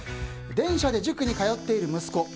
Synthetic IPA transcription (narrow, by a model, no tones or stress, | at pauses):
d̪ẽ̞ɰ̃ɕad̪e̞ʑɨkɯ̟ɲ̟ikajo̞t̪ːe̞iɾɯ̟mɯ̟sɨ̥ko̞